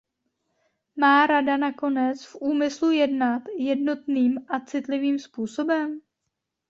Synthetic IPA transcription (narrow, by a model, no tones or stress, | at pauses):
maːɾadanako̞nɛt͡sfʔuːmɪslujɛdnat̪jɛdno̞t̪niːmʔat͡sɪt̪lɪviːmspuːso̞bɛm